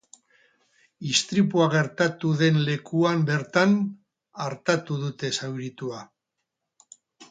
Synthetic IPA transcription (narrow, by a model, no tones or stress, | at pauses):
ist̪ɾipuaɣ̞e̞ɾt̪at̪uðe̞nle̞kuambe̞ɾt̪an | aɾt̪at̪uðut̪e̞sawɾit̪ua